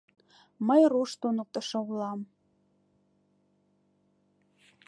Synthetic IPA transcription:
məjruʃt̪unək̚t̪ɤ̆ʃŏulˠɑm

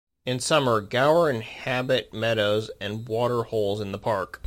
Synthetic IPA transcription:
ɨ̃nsʌmə˞ɡaʊə˞ɨ̃nhæbɨt̚mɛɾoʊzɨ̃nwɔɾə˞hoʊlˠzɨ̃nðəpʰɑɹk

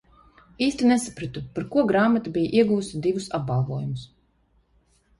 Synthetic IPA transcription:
iːst̪ʲinesapɾat̪upaɾkuɔɡɾaːmat̪abijʔiɛɡuːust̪id̪ivusap̚balˠvuɔjumus

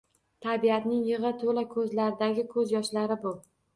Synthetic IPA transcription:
t̪ʰabijat̪nɪŋjɪʁɨt̪ʰolakʰɵzlaɾɪd̪aɡʲɪkʰɵzjɒʃlaɾɪbʊ

